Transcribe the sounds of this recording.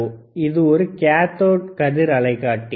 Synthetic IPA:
ɪðɯɔɾɯkaːt̪oːʈ̚kɐðɪɾɐlɐɪkːaːʈːi

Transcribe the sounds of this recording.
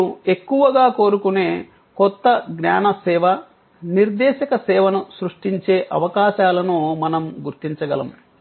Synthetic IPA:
ue̞kːuʋɐɡaːko̞ːɾukuneː | kɔt̪ːɐɡɲaːnɐsɛːʋɐ | niɾd̪ɛːʃɐkɐsɛːʋɐnusɾuʂʈiɲt͡ʃeːʔɐ̰ʋɐkaːʃaːlɐnoːmɐnɐmɡuɾt̪iɲt͡ʃɐɡɐlɐ̰m

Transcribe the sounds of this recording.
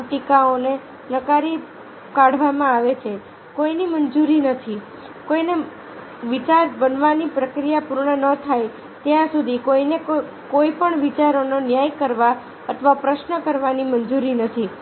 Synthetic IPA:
ʈikaone | nəkaɾi | kaɽ̤ʱʋamãaʋet͡ʃʰe | koinimənd͡ʒuɾinət̪ʰi | koine | ʋit͡ʃaɾbənʋanipɾəkɾijapuɾɳənət̪ʰaj | t̪jãsud̪ʱikoinek | koipəɳʋit͡ʃaɾononjajkəɾʋa | ət̪ʰəʋapɾəʃnəkəɾʋanimənd͡ʒuɾinət̪ʰi

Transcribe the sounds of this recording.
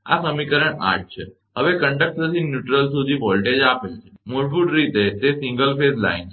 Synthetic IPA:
a̰səmikəɾəɳa̰ʈ̚t͡ʃʰe | ɦəʋekə̃ɳɖək̚sət̪injuʈɾəls̬ud̪ʱiʋɔlʈed͡ʒapelt͡ʃʰemoɾbuʈɾit̪et̪esĩŋɡəlfezla̰int͡ʃʰ

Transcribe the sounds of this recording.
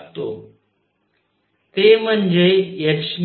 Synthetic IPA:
t̪o̰ː | t̪emə̃nd͡ʑeːjəkʃm

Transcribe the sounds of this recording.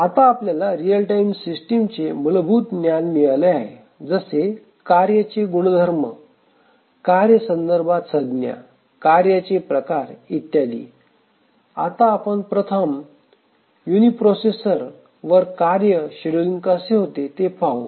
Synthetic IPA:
at̪aːpljalaɾijəlʈaimsisʈimt͡seməlbʱuːt̪njanmiɭaleaɦe | d͡zəse | kaɾjat͡seɡuɽ̃əd̪ʱəɾmə | kaɾjəsə̃nd̪əɾbʱat̪səd̪nja̰ | kaɾjat͡sepɾəkaɾit̪jad̪ḭː | a̰t̪aːpəɳpɾət̪ʰəm | junipɾosesəɾ | ʋəɾkaɾjəɕeɽəliŋɡkəseɦot̪et̪epaʋu

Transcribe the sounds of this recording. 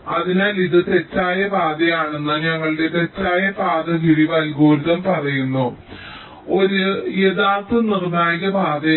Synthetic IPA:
ɐðinaːliðɨt̪e̞t͡ɕːaːjɐbʱaːd̪ɐjaːɳe̞nːɨɲɐŋːɐɭɨɽe̞t̪e̞t͡ɕːaːjɐbaːd̪ɐɡiɽiʋalɡoːɾuðɐmpɐrɐjunːu | o̞ɾujeðaːrt̪ːɨnirnaːjiɣɐbʱaːd̪ɐ

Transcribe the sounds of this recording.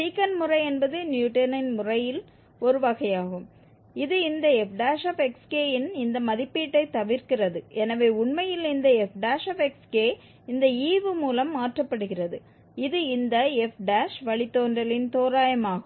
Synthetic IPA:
siːkɐnmʊrɐɪɛnbɐðɯnjuːʈɐnɐnmʊrɐjɪl | ɔɾɯʋɐɣɐɪjaːɣɯm | ɪðɯɪnd̪ɐɛfɖaːʂɐfɛkskeːjɪnɪnd̪ɐmɐðɪpːiːʈːɐɪt̪ːɐʋɪɾkɪrɐðɯʔɛnɐʋeːʊɳmɐjɪlɪnd̪ɐɛfɖaːʂɐfɛkskeː | ɪnd̪ɐiːʋɯmuːlɐmːaːʈrɐpːɐɽɯɣɪrɐðɯ | ɪðɯɪnd̪ɐɛfɖaːʂʋɐɭɪt̪ːoːndrɐlɪnt̪oːɾaːjɐmaːɣɯm

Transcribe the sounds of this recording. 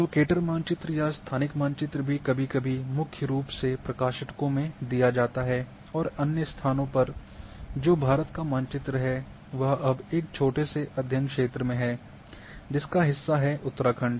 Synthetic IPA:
t̪oːkeːʈəɾmãːnt͡ʃɪt̪ɾəjast̪ʰaːnɪkmãːnt͡ʃɪt̪ɾəbʱikɐbʱikɐbʱimʊkʰjəɾuːpsepɾɐkaːʃɪʈkõmẽd̪ijad͡ʒaːt̪aɦɛ | ɔːɾɐnjəst̪ʰaːnõpɐɾ | d͡ʒoːbʱaːɾət̪kamãːnt͡ʃɪt̪ɾəɦɛ | ʋɐɦɐbeːk̚t͡ʃʰoːʈeseʔɐd̪ʱjə̃ŋkʃeːt̪ɾəmẽɦɛː | d͡ʒɪskaɦɪsːaɦɛʔʊt̪ːəɾaːkʰə̃ɳɖ

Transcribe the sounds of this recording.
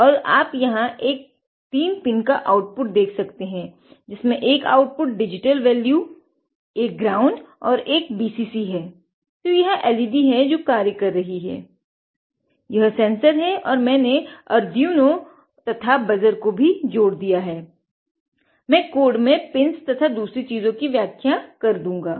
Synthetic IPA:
ɔːɾaːpjɐɦãʔeːk̚ | t̪iːmpɪnkaʔaːʊʈ̚pʊʈ̚d̪eːkʰsɐkt̪eɦɛ̃ː | d͡ʒɪsmẽʔeːka̰ːʊʈ̚pʊʈ̚ɖɪd͡ʒɪʈəlʋɛːlju | eːk̚ɡɾaːʊ̃ɳɖɔːɾeːkbiːsiːsiɦɛː | t̪ojɐɦãʔɛːlɪbiɦɛd͡ʒoːkaːɾjəkɐɾːɐɦiɦɛ̰ː | jɐɦsɛ̃ːnsəɾɦɛʔɔːɾmɛ̃ːneɐɾd̪ijũno | t̪ɐt̪ʰabɐzəɾkobʱid͡ʒoːɽd̪ijaɦɛː | mɛ̃ːkoːɖmẽpɪnst̪ɐt̪ʰad̪uːsɾit͡ʃiːzõkiʋjaːkʰjakɐɾd̪ũːŋɡaː

